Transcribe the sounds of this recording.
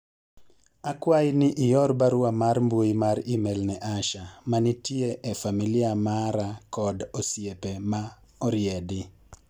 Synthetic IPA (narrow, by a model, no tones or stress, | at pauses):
akwajɪnɪʔɪjɔɾbaɾwamaɾmbwoimaɾimɛlnɛʔaʃamanitjeʔefamilɪamaɾakɔdɔsjepema | ɔɾɪɛdɪ